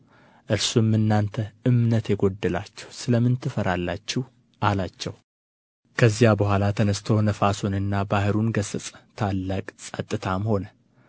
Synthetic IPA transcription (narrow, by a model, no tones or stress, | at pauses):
ʔɨɾsumːɨnːant̪ʰəʔɨmnət̪jɛɡod̪ːəlat͡ʃːɛ̥wsɨləmɨnt̪ʰɨfəɾalːat͡ʃːɪh | ʔalat͡ʃːɛw | kʰəzijabəhʷalat̪ʰənəst̪ʰownəfasunɨnːabahɨɾunɡəsɨt͡sʼt̪ʰalːakʼsʼət̪ʼːɨt̪ʰamho̞nə